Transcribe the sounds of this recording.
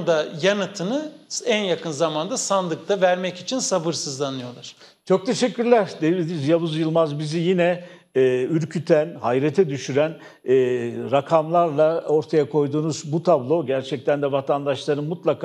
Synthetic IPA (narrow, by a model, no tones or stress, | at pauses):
d̪ajanɯt̪ʰɯnɯænjakɯnzamand̪asand̪ˠɯk̚t̪avæɾmɛcit͡ʃʰinsabɯɾsɯzlˠanɯjo̞lˠaɾ̥ | t͡ʃʰo̞k̚t̪ʰe̞ʃɛcʰʲːyɾlʲæɾd̪elʲed̪inizjavuzjɯlˠmazbizijinɛː | yɾcʰyt̪ʰænhajɾet̪ʰɛd̪yʃyɾænː | ɾakʰamlˠaɾlˠao̞ɾt̪ʰajakʰo̞jd̪uːnuzbut̪ʰablˠo̞ɟæɾt͡ʃʰɛc̚t̪ʰænd̪ɛvat̪ʰand̪aʃlˠaɾɯnmut̪lˠakʰː